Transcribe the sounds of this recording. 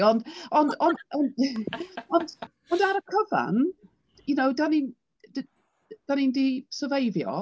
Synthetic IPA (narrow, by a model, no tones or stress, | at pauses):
ɔndɔndɔndɔn | ɔnd | ɔndaɾəkʰəva̰n | junowdanin | d | d̥anindisəvejðjɔ̰